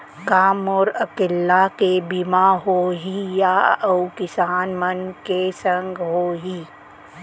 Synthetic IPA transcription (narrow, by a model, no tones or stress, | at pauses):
kaːmɔːɾɐkɪlːakebimaɦoːɦijaəwkɪsaːnmənkesə̃ŋɡɦoːɦiː